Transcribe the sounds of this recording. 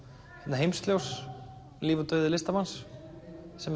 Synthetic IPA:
hɛt̪naɦejmsk̪ljows | liːvʏt̪œɥðɪlɪst̪amansː | ɛm

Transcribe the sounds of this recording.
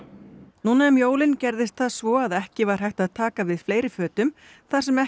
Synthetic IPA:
nuːnaɛmjoːwlɪncɛɾðɪst̪θaðsvɔaðɛhcɪvaɾ̥hajht̪aðt̪ʰaːkavɪðfleːjɾɪfœːt̪ʏm | θḁsɛmɛ

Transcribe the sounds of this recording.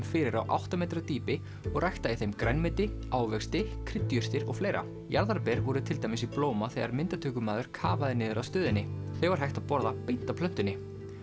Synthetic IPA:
mfɪɾɪɾawʔa̰wht̪amejt̪ɾat̪iːpɪ | ɔɣrʔajht̪aiθejmkɾajnmɪt̪ɪaːwvɛkst̪ɪkʰɾɪt̪ːjʏst̪ɪɾɔ̰ɣfleːjɾa̰ | jaɾðaɾpɛɾvɔɾʏt̪ʰɪlt̪ajmɪsiploːwmaθɛɣaɾmɪnt̪at̪ʰʏːkʏmaːðʏɾ̥kʰaːvaðɪnɪːðʏɾawst̪œːðɪnːɪθeɣvaɾɦajht̪aðpɔɾðapejt̪ːapʰlœn̥t̪ʏnːɪ

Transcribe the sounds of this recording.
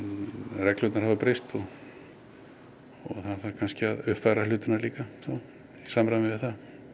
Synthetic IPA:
rɛkl̥ʏːt̪naɾ̥havapɾejst̪ɔɣ | ɔɣθanθakʰanscɪaðʏhpfajɾalʏːt̪ɪnaliːkaθaw | isaːmɾavɪðɪθa

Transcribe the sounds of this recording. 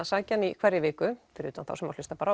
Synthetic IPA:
asaːcanikʰvɛɾːɪvɪːkʏfɪɾɪːt̪anθa̰wsɛmaɾlʏst̪apaːɾa

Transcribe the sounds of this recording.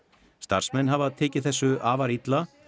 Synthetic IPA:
st̪a̰r̥smɛnːɦavaðt̪ʰeːcɪ̥θɛsːʏaːvaɾit̪la

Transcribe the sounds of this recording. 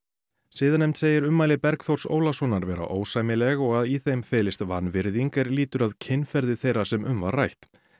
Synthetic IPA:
siːðanɛmt̪seːjɪɾʏmːaːjlɪpɛɾkθowɾ̥so̰ːwlasɔnaɾvɛːɾa̰ʔoːwsaːjmɪlɛɣɔɣaðiθejmfɛːlɪst̪vanvɪɾðiŋkɛɾliːt̪ʏɾaðcʰɪnfɛɾðɪθejɾasɛmʏmva̰ɾrajht̪

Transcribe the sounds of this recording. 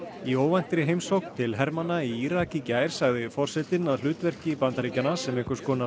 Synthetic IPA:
ioːwvajn̥t̪ɾɪɦeːjmsowkt̪ʰɪlɦɛɾmanːaiiɾacicaːjɾ̥saɣðɪfɔr̥sɛt̪ɪnaðlʏːt̪vɛr̥cɪpant̪aɾiːcanasɛmɛhkʏɾ̥skʰɔːna

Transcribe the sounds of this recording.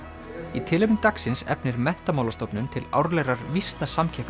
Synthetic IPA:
it̪ʰɪːlɪmnt̪aksɪnsɛ̰pnɪɾmɛn̥t̪amaːwlast̪ɔwpnʏnt̪ʰɪla̰wɾlɛɾaɾvist̪nasamcʰɛhk̪

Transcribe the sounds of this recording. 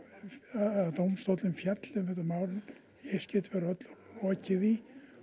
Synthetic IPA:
t̪owmst̪owt̪lɪmfjɛt̪lɛmθɛht̪ːamaːwɾɪ | ɛscɛt̪vɛɾœt̪lɔɔːcɪði

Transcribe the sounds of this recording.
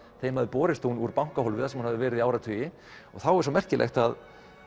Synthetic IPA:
θejmaðɪpɔːɾɪst̪unuɾpawŋ̥kaɦɔlvɪðasɛmhanhavðɪvɛːɾɪðiaːwɾat̪ʰʏːjɪ | ɔ̰ɣθawɛɾ̥s̬ɔmɛr̥cɪlʔḛxt̪að

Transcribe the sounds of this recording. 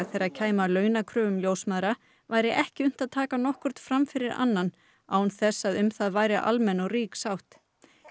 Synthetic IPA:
ðθejɾacʰaːjmalœːɥnakʰɾœːvʏmljoːwsmaðɾa | vaːjɾɪʔɛhcɪʏm̥t̪aðt̪ʰaːkanɔhkʏɾ̥t̪fɾamfɪɾɪɾa̰nːan | a̰ːwnθɛsːaðʏmθaðvaːjɾɪʔa̰lmɛnɔɣriːksawht̪

